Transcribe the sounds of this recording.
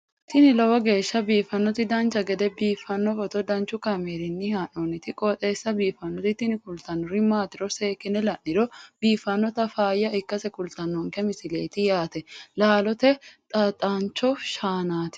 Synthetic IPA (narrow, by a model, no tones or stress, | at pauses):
t̪ɪnɪlɔwɐɡe̞ːʃːɐbiːfːɐnːɔt̪ɪd̪ɐnt͡ʃːɐɡɛd̪ɛbiːfːɐnːɔfɔt̪ɔd̪ɐnt͡ʃːʊkɐmeːɾɪnːɪhaːnɔnɪt̪ɪkʼɔt̪ʼeːsːɐbiːfɐnːɔt̪ɪt̪ɪnɪkʊlt̪ɐnːɔɾɪmaːt̪ɪɾɔseːkːɪnɛlɐʔːɪɾɔb̥iːfːɐnːɔt̪ɐfaːjːɐɪkːɐsɛkʊlt̪ɐnːɔŋkɛmɪsɪle̞̰ːt̪ɪjaːt̪ɛlaːlɔt̪ɛt̪ʼɐt̪ʼaːnt͡ʃːɔʃaːnaːt̪ɪ̥